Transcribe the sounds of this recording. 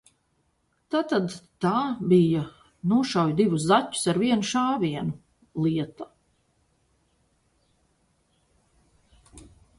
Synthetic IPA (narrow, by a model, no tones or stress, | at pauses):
t̪aːt̪ad̪t̪aːbija | nuɔʃawjd̪ivus̬zatʲːu̥saɾviɛnuʃaːviɛnu | lˠiɛt̪a